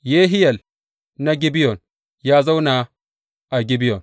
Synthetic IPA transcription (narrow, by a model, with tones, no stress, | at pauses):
je˦ɦi˦ja˨l | na˦ɡi˦bi˦jo˨n | ja˦za˦wna˨ | a˨ɡi˦bi˦jo˨n